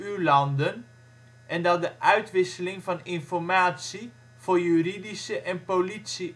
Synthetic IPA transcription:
ylɑndən | ʔɛndɑt̚dəʔœɥtʋɪsəlɪŋvɑnɪnfɔrmaːtsi | v̥ʊːrjyridisəʔɛnpolitsi

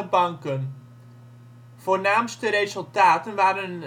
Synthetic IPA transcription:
əbɑŋkən | v̥oːrnaːmstəɾezɵlˠtaːtənʋaːdən

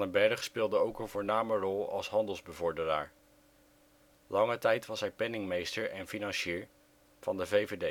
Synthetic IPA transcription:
nəbɛrəχspɪːlˠdəowkənvʊːɹnaːmərɔlˠɑ̰lˠsɦɑndəlˠzbəvɔɹdəra̰ːɹ | lɑŋətɛjtʋɑsɦɛjpɛnɪŋmejstəɹɛnfinɑnʃiːɹ | v̥ɑndəvejvede

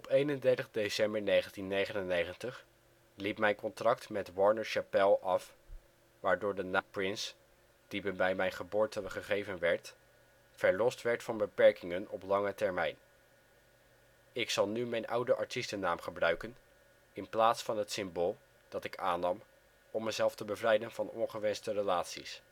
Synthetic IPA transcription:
ɔpejnəndɛɹtəχdesɛmbəɹnejχəntinːejχənənejχəntəχ | lipmɛjnkɔntrɑktmɛtwɑɹnəɹʃapɛlˠɑf | ʋaːɹdʊːɹdənaːprɪns | d̥ibbɛjmɛjnχəbʊːɹtənχəχejvənʋɛɹt | fɛɹlɔstʋɛɹtfɑnbəpɛɹkɪŋənɔplɑŋətɛɹmɛjn | ɪksɑlˠnymɛjnʔʌwdəʔɑɹtistənːaːmχəbrœɥkən | ɪnplaːtsfɑnɦətsɪmboːlˠ | d̥ɑtɪkaːnɑm | ɔmːəzɛlˠftəbəvrɛjdənvɑnɔ̰nχəʋɛnstərəlaːtsḭs

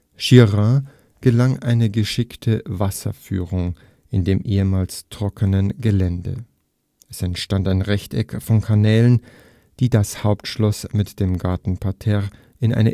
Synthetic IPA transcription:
ʃiʁã | ɡ̥əlaŋʔaɪnəɡəʃɪktʰəvasɐ̰fy̰ːʁʊŋ | ʔɪndeːmʔeːəmaːlstʁ̥ɔkʰənənɡəlɛndə̰ | ʔɛsɛntʃtantaɪnʁɛçtɛ̰kfɔnkʰanɛːlən | d̥iːdashaʊptʃlɔsmɪtd̥eːmɡaɐtn̩pʰaɐtʰɛʁ | ʔɪnʔa̰ɪnə

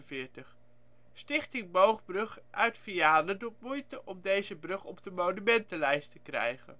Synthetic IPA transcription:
vɪːɹtəχ | stɪχtɪŋbowχbrɵχʔœɥtfijaːnədut̚mujtəʔɔmdejzəbrɵχɔpdəmownymɛntəlɛjstəkrɛ̰jχə̰n

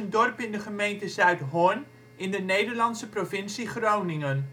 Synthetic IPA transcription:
əndɔrpɪndəχəmejntəzœɥtɦɔn | ɪndənejdəɹlɑnsəprofɪnsiχrownɪŋən

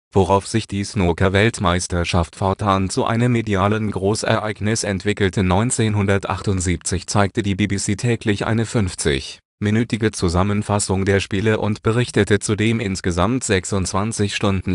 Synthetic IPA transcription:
v̥oʁaʊfz̥ɪçd̥iːsnoːkʰɐvɛltmaɪstɐʃaftfɔɐtʰaːnt͡suʔa̰ɪnəmːediaːlənɡʁoːsɛ̰ɐʔaɪɡnɪsɛntv̥ɪkl̩tʰənɔʏnt͡seːnɦʊndɐtʔa̰χtʊntz̥iːp̚t͡sɪçt͡saɪk̚tədiːbiːbisiːtʰɛːklɪçʔa̰ɪnəfʏnft͡sɪ̰ç | mɪnyːtɪɡət͡suzamənfasʊŋdeːɐʃpiːləʔʊntb̥əʁɪçtətət͡sudeːmʔɪnsɡ̥əzamtz̥ɛksʊntt͡sv̥ant͡sɪçʃtʊndn̩

